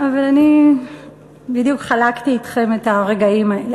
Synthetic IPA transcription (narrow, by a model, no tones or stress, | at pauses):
avalani | bidjukχalakt̪iːt̪χe̞met̪aʁe̞ɡaimael